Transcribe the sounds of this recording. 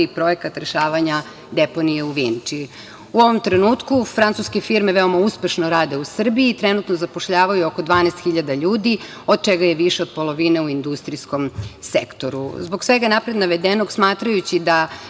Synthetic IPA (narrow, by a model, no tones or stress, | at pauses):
ipɾo̞ekat̪ɾeʃaːʋaɲa | d̪epo̞nijeuʋint͡ʃi | uo̞ʋo̞mt̪ɾenuːt̪kufɾansuskefiɾme̞ʋeo̞mauspe̞ʃnoɾaːd̪e̞usr̩biiːt̪ɾenut̪nozapoʃʎaːʋajuokod̪ʋaːnest̪xiʎad̪aʎuːd̪i | o̞d̪̚t͡ʃeɡajeʋiʃeo̞d̪̚po̞lˠo̞ʋineuind̪ust̪ɾisko̞msekt̪o̞ɾṵzbo̞ɡsʋeɡanapɾed̪naʋed̪enoɡsmaːt̪ɾajut͡ɕid̪a